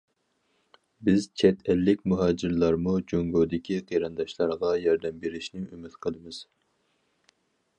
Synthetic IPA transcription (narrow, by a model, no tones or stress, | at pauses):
bɪzt͡ʃʰɛt̪ʰɛlːɪkʲmuɦɑːd͡ʒiɾlˠɑɾmud͡ʒoŋɡoːd̪ɪkʲʰiqʰejɾɑnd̪ɑʃlˠɑɾʁɑjɑɾd̪ɛmbeɾɪʃnɪymɪt̪qʰəlˠɨmɨz̥